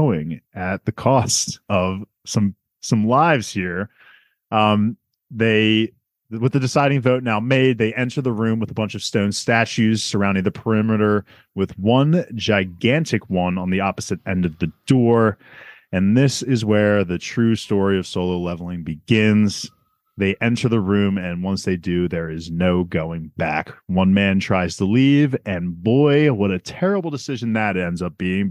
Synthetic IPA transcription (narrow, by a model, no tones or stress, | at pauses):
ʊɪ̃ŋɨt̪̚ðɨkʰɔstʌv̥ | sʌ̃m | sʌ̃mlaɪvz̥hiɹ | ðeɪ | wɨðɨdɨsaɪɾɪ̃ŋvoʊtⁿnaʊmeɪd̪̚ðeɪʔɛ̃ntə˞ðəɹʉ̃mwəðəbʌ̃nt͡ʃʌv̥stõʊ̃nstæt͡ʃʉz̥sə˞ãʊ̃ndɪ̃ŋðɨpʰə˞ɪmɨɾə˞ | wɨðwʌ̃nd͡ʒaɪɡæ̃ntʰɨkwʌ̃nə̃nðiɑpəz̥ɨɾɛ̃ndʌvðɨdɔɹ | ɨ̃nðɪsɪzwə˞ðɨtʰɹ̥ʉstɔɹiʌv̥soʊlˠoʊlɛvl̩ˠɪ̃ŋbɨɡɪ̃nz̥ | ðeɪʔɛ̃ntʰə˞ðəɹʉ̃mɨ̃nwʌ̃nsðeɪdɨðə˞ɪznoʊɡoʊɪ̃ŋbækwʌ̃nmæ̃ntʰɹ̥aɪz̥tʰəlivɨ̃nbɔɪwʌɾɨtʰɛɹəbl̩ˠdɨsɪʒɨ̃n̩ðɨɾɛ̃ndzʌp̚b̥iɪ̃ŋ